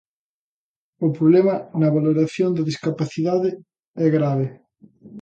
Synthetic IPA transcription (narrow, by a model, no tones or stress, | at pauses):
ʊpɾoβlɛmɐnɐβaloɾaθjond̪ɐðiskapaθiðaðɪ | ɛɣɾaβe